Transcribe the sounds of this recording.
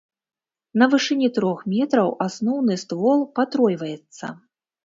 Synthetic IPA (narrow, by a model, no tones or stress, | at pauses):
nɐvɨʂɨnʲit̪ɾɔxmʲɛt̪ɾɐwʔasnɔwnɨst̪vɔlˠpat̪ɾɔjvɐjɛt̪sːɐ̰